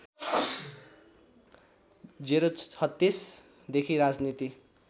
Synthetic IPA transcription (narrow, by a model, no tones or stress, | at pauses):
d͡ziɾoʌt̪ːis | d̪ekʰiɾad͡znit̪i